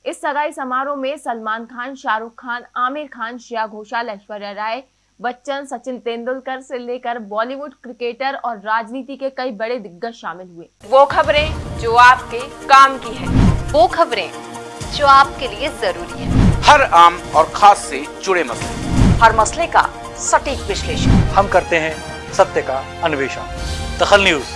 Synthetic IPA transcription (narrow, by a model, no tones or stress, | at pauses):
ɪsːɐɡaːisɐmaːɾõmẽsɐlmaːnkʰaːnʃaːɾʊkʰːaːnaːmɪɾkʰaːnʃijaɡʱoːʃalɛːʃʋəɾɛːɾaːe | ʋɐtːʃənsɐt͡ʃɪ̃nt̪ẽːnd̪ʊlkəɾseleːkəɾbɔːliʋʊɖkɾɪkeːʈəɾɔːɾːaːd͡ʒniːt̪ikekɐibɐɽed̪ɪɡːəʃaːmɪlɦueːʋoːkʰɐbɾẽd͡ʒoːaːp̚kekaːmkiɦɛ̃ːʋoːkʰɐbɾḛ̃d͡ʒoːaːp̚keliezɐɾuːɾiɦɛ̰̃ːhɐɾaːmɔːɾxʰaːsːet͡ʃʊɽemɐslehɐɾmɐsleka̰ | sɐʈiːkʋɪʃleːʃənhɐmkɐɾt̪eɦɛ̃ | sɐt̪jəka | ɐnʊʋeːʃə̰nd̪ɐxəlnjuːz